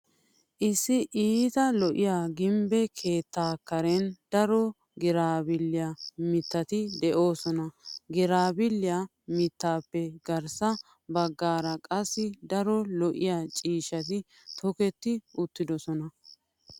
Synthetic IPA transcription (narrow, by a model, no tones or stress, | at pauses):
ʔɪsːɪʔiːt̪ɐlɔʔɪjaːɡɪmbɛkʰe̞ːt̪ːaːkːɐɾɛnd̪ɐɾɔ | ɡɪɾaːbɪlːɪjamɪt̪ːɐt̪ɪd̪ɛʔo̞ːsɔnɐɡɪɾaːbɪlːɪja | mɪt̪ːaːpːɛɡɐɾsɐ | bɐɡːaːɾɐkʼɐsːɪd̪ɐɾɔlɔʔɪjaːt͡ʃʼiːʃɐt̪̬ɪ | t̪ʰɔkɛt̪ːɪʔʊt̪ːɪd̪ɔsɔnɐ